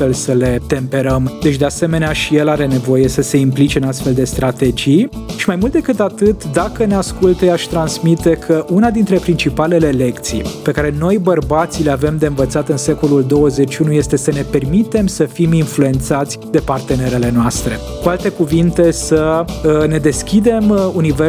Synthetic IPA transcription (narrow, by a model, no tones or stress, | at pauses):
fe̞lsəle̞t̪e̞mpe̞ɾəmd̪et͡ʃʲd̪e̞ase̞me̞neaʃije̞laɾe̞ne̞vo̞je̞səse̞implit͡ʃenast̪fe̞ld̪e̞st̪ɾat̪e̞d͡ʒijʃimajmult̪d̪e̞kɨt̪at̪ɨt̪d̪akəneaskult̪eaʃʲt̪ɾansmit̪e̞kʰəʔunad̪int̪ɾe̞pɾint͡ʃipale̞le̞le̞kt̪sḭjpe̞kaɾe̞no̞jbərbat̪sileave̞md̪e̞ɨnvət̪sat̪ɨnse̞ko̞luld̪o̞wəze̞t͡ʃʲunuje̞st̪e̞səne̞pe̞rmit̪e̞msəfiminflue̞nt̪sat̪sʲd̪e̞part̪e̞ne̞ɾe̞le̞noast̪ɾe̞̰ | kualt̪e̞kuvint̪e̞səne̞d̪e̞skʲid̪e̞munive